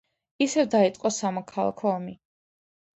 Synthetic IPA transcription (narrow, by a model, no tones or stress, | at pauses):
isɛvd̪ait̪sʼqʼɔsamɔkʰalˠa̰kʰɔːmi